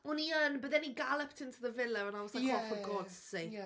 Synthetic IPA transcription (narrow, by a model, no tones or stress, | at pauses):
ɔniənbəðɛniɡalˠəptʰɪntʰuðəvɪlˠəə̃nawɔsakɔfəɡɔdsse